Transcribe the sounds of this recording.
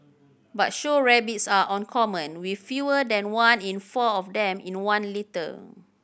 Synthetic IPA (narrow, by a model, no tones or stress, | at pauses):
bat̚ʃoɹɛbitsaʔɔ̃nkʰɔmə̃nwifjuədɛ̃nwãnĩnfɔɔfdɛ̃mḭ̃nwãnlitə̰